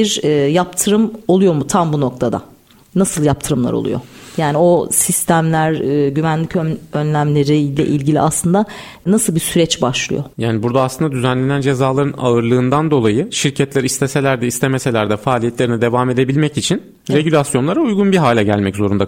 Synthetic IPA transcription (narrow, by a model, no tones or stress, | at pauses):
biɾːjap̚t̪ʰɯɾɯmo̞lˠujo̞mut̪ʰambuno̞k̚t̪ʰad̪a̰ | nasɯlˠjap̚t̪ʰɯɾɯmlˠa̰ɾo̰lˠṵjo̞̰jaːnio̞sist̪ʰæmlʲæɾːɟymænlʲicøønlʲæmlʲe̞ɾilʲɛ̰ʔilʲɟilʲḭa̰slˠɯnd̪a | nasɯlˠbisyɾɛt͡ʃbaʃlˠɯ̰jo̞̰jaːnibuɾd̪aːslˠɯnd̪ad̪yzænlʲe̞nænd͡ʒe̞zaːlˠaɾɯnaɯɾlˠɯːnd̪and̪o̞lˠajɯʃiɾcʰɛt̪lʲæɾist̪ʰese̞lʲæɾd̪ɛist̪ʰemese̞lʲæɾd̪ɛfaːlʲijet̪lʲe̞ɾinid̪e̞vaːme̞d̪e̞bilʲmɛcit͡ʃʰin | ɾe̞ɟylʲasjo̞nlˠaɾaujɡunbiɦaːlʲɛɟælʲmɛczo̞ɾund̪a